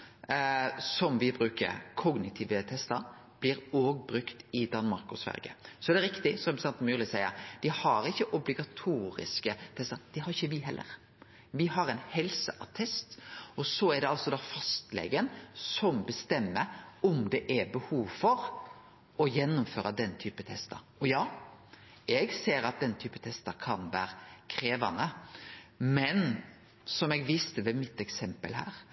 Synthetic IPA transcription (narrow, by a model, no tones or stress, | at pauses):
sɔmʋɪbɾʉːkə̰ɾkʰɔɡnɪt̪ʰiːʋət̪ʰɛst̪əɾb̥lɪːɾoːɡ̚bɾʉkt̪ɪd̪ɑnmɑɾkʊsfæ̰ɾɡə̰sɔɛd̪ɛɾɪkt̪ɪsɔsɑnt̪myːlɪsæɪə̰ɾd̪̥ɪhɑɾɪçːəʔʊblɪɡɑt̪ʰuːɾɪ̰skət̪ʰɛst̪əɾd̪̥ɪhɑɾɪçːəʋɪɦɛlːʔə̰ɾ | ʋɪhɑɾɛɪnhɛlsəʔɑ̰t̪ʰɛst̪ɔsɔɛɖ̪ɛɑlsɔd̪ɑːfɑst̪lɛ̰ɡənsɔmbəst̪ɛmːəɔmd̪ɛʔæbəhuːʋfɔɾ | ɔjɛnːʊmføːɾɑd̪ɛnt̪ʰyːpət̪ʰɛst̪ɑ̰ɾɔjɑː | ɛɡseːɾɑt̪̚d̪ɛnːt̪ʰyːpət̪ʰɛst̪ɑkʰɑnʋæ̰ːɾkʰɾeːʋɑnə | mɛn | sɔmɛɡʋɪst̪əʋɛmɪt̪ːɛksɛmpə̰lɦæ̰ːɾ